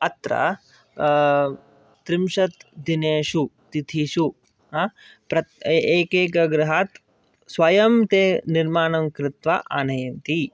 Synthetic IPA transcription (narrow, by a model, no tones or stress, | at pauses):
ɐt̪ɾɐ̰ | t̪ɾɪmʃɐt̪d̪ineːʃut̪it̪ʰiːʃu | ɦa | pɾɐeːkeːkɐɡɾɐɦaːt̪ | sʋɐjɐmt̪eːniɾmaːnɐmkɾɪt̪ʋaʔa̰ːnɐjɐnt̪i